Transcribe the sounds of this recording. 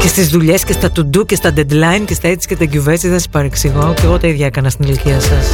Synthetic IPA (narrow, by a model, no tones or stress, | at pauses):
ce̞st̪izðuʎe̞scest̪ɐt̪ud̪ucest̪ɐd̪ed̪lɐincest̪ɐet̪isi̥cʲet̪ɐɟuvest̪iðensi̥pɐɾeksiɣo̞ceɣot̪eiðʝɐkɐnɐst̪inɐliciɐsɐs